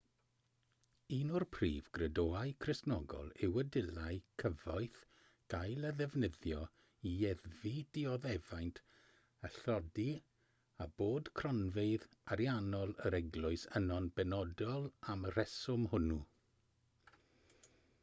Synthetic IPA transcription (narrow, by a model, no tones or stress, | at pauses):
inʊrpʰrḭːvɡrədoːaɨkʰrɪsnɔ̰ɡɔ̰lˠɪwədɪlˠaɨkʰəvaɨθ | ɡ̥ajlˠəðɛvnəðjɔ | iɛðvid̥iɔðɛvajntʰ | əɬɔdi | aboːdkʰrɔnveɨðaɾjanɔlˠəɾɛɡlˠʊɨsənɔnbɛnɔdɔlˠamr̥ɛsʊmhʊnu